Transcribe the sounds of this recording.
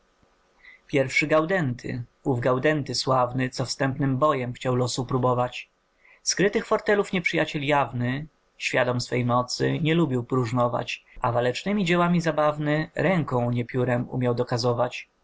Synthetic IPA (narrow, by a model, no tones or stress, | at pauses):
pʲjɛɾfʂɘɡawd̪ɛnt̪ʰɘ̰uvɡawd̪ɛnt̪ɘswavnɘt̪sɔfst̪ɛmpnɘmbɔjɛmxt͡ɕawlɔsupɾubɔvat͡ɕ | skɾɘt̪ɘxfɔɾt̪ɛlufɲɛpʂɘjat͡ɕɛljavnɘ | ɕfʲjad̪ɔmsfɛjmɔt̪sɘ̰ɲɛlubʲiwpɾuʐnɔva̰t͡ɕʔavalɛt͡ʂnɘmʲid͡ʑɛwamʲizabavnɘɾɛŋkɔ̃w̃ɲɛpʲjuɾɛmṵmʲjawd̪ɔkazɔvat͡ɕ